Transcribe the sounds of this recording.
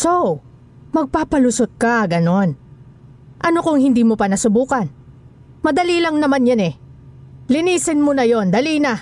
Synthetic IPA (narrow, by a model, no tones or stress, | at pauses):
sow | mɐɡ̚paːpɐlusot̪̚kɐɡɐno̞n | ʔɐnokoŋhɪnd̪iːmopɐnɐsʊbuːkɐn | mɐd̪ɐliːlɐŋnɐmanjanɛ | lɪniːsɪnmonɐjo̞nd̪ɐliːnɐ